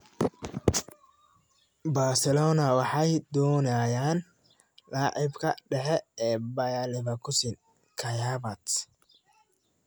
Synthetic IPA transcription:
baːsɛlɔːnɐwɑħɑjd̪ɔːnajaːn | laːʕɪbkʰɐ̰ɖɛħɛɛːbɐjalɪβɐkʰʊsɪn | kʰɐjaβɐt̪

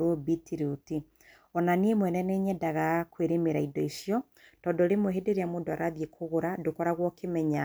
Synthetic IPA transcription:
ɔbitʰiɾuti | ɔnanemwɛnɛneɲɛdaɣakweɾemeɾaidɔisjɔ | tɔːndɔɾemoɦedeɾeamoːdoaɾaðjekʰoɣoɾadokɔɾaɣwɔkemɛɲa

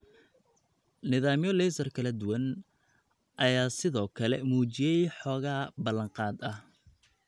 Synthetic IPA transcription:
nɪðaːmjɔlɛjsɐrkʰɐlɐd̪ʊwɐn | ʔɐjaːsɪðɔːkʰɐlɛ̰muːt͡ʃɪjɛjħɔːɣaːbɐlɐŋqɑːd̪ɐh

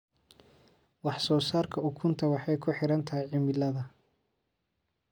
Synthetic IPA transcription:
wɑħsɔːsaːrkʰɐʊkʰʊnt̪ʰɐwɑħɑjkʰʊħɪɾɐnt̪ʰɐɦɛjʕɪmɪlɐðɐ

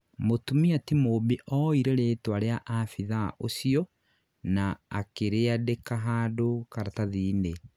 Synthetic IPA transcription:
motumiatimobeʔɔiɾeɾeːtwaɾeaʔafiðaʔosiɔ | naa̰keɾeadekaɦaːdokaɾataðiːne

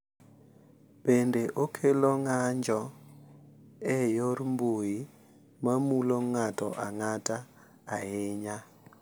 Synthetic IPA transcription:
pɛndɛʔokʰɛlɔŋand͡ʒʱɔ | ɛjɔrimboji | mamulɔŋatʼɔʔaŋatʼaː | jɛːɲa

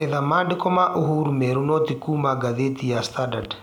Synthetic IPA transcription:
ɛðamadɪkɔmaʔuɦuɾumɛɾunɔt̪ikumaɡaðet̪ijast̪adad

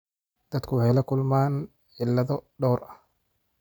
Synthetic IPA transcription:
d̪̥ɐd̪kʰʊwʊħɛjlɐkʰʊlmaːn | ʕɪlːɐðɔɖɔːrʔɐh

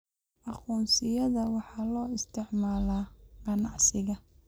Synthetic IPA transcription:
ʔɑqɔːnsɪjɐðɐwɑħɑːlɔːɪst̪ʰɪʕmaːlaːqɑnɑʕsɪɣɐ

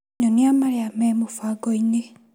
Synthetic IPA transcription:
ɲoniamaɾeamemufaɡoine

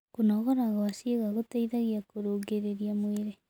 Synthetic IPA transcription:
konɔɣɔɾaɣawaseɣaɣotaiðaɣiakoɾoːɡeɾeɾiamweɾe

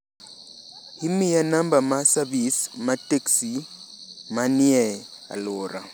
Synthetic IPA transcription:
himijanambamasaβismateksi | maniɛa̰loːɾa̰

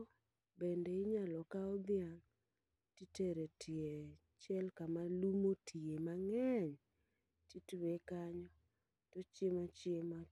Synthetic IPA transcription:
bendɛɪɲalɔkaɔd̪jaŋ | titeɾetʰie | t͡ʃjɛlkamalumotʰiemaŋɛɲ | titwekaɲɔ | tɔt͡ʃemat͡ʃɪema

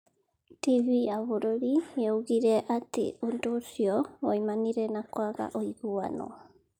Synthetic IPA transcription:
tivijaβoɾoɾioɣiɾɛʔatḛondosiɔwɔimaniɾɛnakwaɣa̰ʔoiɣua̰nɔ̰

